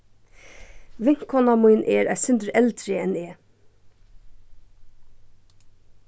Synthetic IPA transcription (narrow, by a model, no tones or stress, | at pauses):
ʋɪŋ̥kʰhɔnamujnʔɛɾʔæsʏnt̪ɹɛlt̪ɾɪɛnɛː